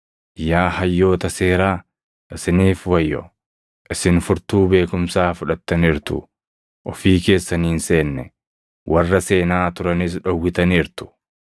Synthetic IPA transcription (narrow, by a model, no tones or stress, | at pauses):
ʔɪjaːhɐjːo̞ːt̪ɐseːɾaː | ʔɪsɪniːfwɐjːɔ̰ | ʔɪsɪnfʊɾt̪uːbe̞ːkʊmsaːfʊᶑɐt̪ːɐnɪɾt̪ʊ̰ | ʔɔfiːke̞ːsːɐniːnse̞ːnːɛ | wʔɐrːɐse̞ːnaːt̪ʊɾɐnɪs̬ᶑɔwːɪt̪ɐniːɾt̪ʊ̥